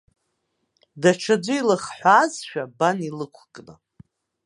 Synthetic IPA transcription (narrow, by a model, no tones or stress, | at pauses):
daʈ͡ʂʰad͡ʒʷʊilɨχħʷaːzʃᶣabanilɨkʷʰkʼnɨ